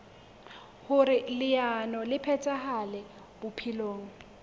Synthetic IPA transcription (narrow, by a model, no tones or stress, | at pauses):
hʊɾɪlɪanɔlɪpʰɛt͡sʼahalɛ | b̥ʊpʰiloːŋ̩